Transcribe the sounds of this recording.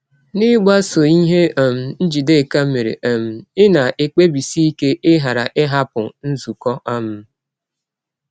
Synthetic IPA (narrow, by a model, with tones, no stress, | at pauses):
nɪ˦ɡ͡ba˦so˨i˦ɦe˦˨m̩˨n̩˦d͡ʒi˨de˦˨ka˦m̩˦me˨ɾḛ˨ʔm̩˨ɪ˦na˨ʔe˦k͡pe˦bi˨si˦i˦ke˦ʔɪ˦ɦa˨ɾa˨ʔɪ˦ɦa˦pʊ˨n̩˦zu˨kɔ˦ʔa˦mʊ˦